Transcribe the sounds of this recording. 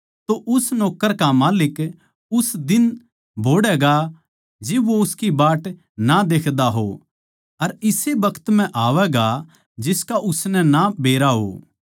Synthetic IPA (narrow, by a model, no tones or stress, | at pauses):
t̪oʔʊsnɔːkːəɾkamaːlɪk | ʊsd̪ɪn | bʱoːɽɛɡa | d͡ʒeːʋoʊskibaːʈ | nad̪eːkʰd̪aɦo̰ | ɐɾɪsebɐkʰət̪m̤ɛ̃ʔaːʋɛɡa | d͡ʒɪskaʔʊsnɛnabʱeːɾaɦo̰ː